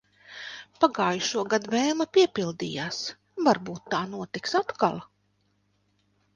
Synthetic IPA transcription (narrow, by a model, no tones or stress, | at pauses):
paɡaːjuʃuɔɡad̪vɛːmapʲiɛpʲilˠd̪ḭːjaːs | vaɾbuːt̪ːaːnuɔt̪iksat̪ka̰lˠ